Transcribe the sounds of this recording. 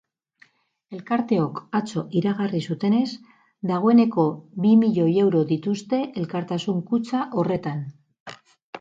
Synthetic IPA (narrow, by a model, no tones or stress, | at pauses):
e̞lkaɾt̪e̞o̞kat͡so̞ʔiɾaɣarisut̪e̞ne̞z | d̪aɣ̞o̞e̞ne̞ko̞βimiʎo̞je̞wɾo̞ðit̪ust̪e̞ʔelkaɾt̪asuŋkut͡saʔo̞re̞t̪an